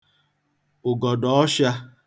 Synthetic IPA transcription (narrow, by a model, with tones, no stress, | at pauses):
ʊ˨ɡɔ˨dɔ˨ɔ˦ʃa˦